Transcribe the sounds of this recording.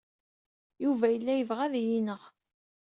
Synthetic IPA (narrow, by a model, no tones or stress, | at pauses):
juvæjəlːæjəvʁæðijinəʁ